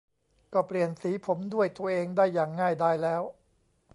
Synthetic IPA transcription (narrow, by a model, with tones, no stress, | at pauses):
kɔː˥˩pli˨˩ənsiː˩˦pʰo˩˦mdu˥˩əjt̪u˧ɐʔeː˧ŋdaː˥˩jːaː˨˩ŋːaː˥˩jdaː˥˩jlɛː˦˥w